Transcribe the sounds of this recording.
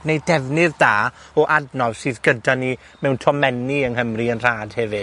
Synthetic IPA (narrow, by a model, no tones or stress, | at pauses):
nejdɛvnɨðdaː | ɔʔadnɔv̥sɨːðɡədani | mɛwntʰɔmɛniəŋɦəmriənr̥aːd̥hɛvɨ̥